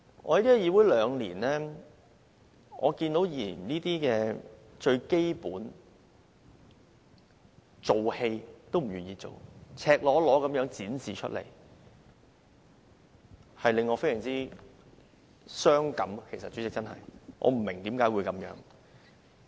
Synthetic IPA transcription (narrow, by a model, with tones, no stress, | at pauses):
ʔɔ̰ː˧jt̪i˥ɐ˨˧jiː˧wu˨˥jlœː˨˧ŋliː˨˩nlɛː˥ | ʔɔː˨˧kiː˧nt̪o˨˥wji˨˩˨niː˥t̪iː˥kɛː˧t͡ʃɵ˧ɥke˥jpuː˨˥n | t͡so˨whe˧jt̪o˥wm̩˨˩ɥyː˨˩njiː˧t͡so̰˨wt͡sʰɛː˧k̚lɔː˨˧˥lɔː˨˥kɐ˨˧mjœː˨˥ŋt͡siː˨˥nsiː˨t͡ʃʰɵ˥lḛ˨˩j | hɐ˨jlɪ˨˧ŋːɔː˨˧fe˥jœ˨˩ŋt͡siː˥ | sœː˥ŋkɐ˨˥mkʰe˨˩jsɐ˨t̚t͡ʃy˨˥t͡sɪ˨kt͡sɐ˥nhɐ̰˨jŋʔɔ̰ː˨˧m̩˨˩meɪ˨˩ŋt̪iː˨˥mkaː˨˥jwuː˨˧jkɐ˨˥mjœ̰ː˨˧˥ŋ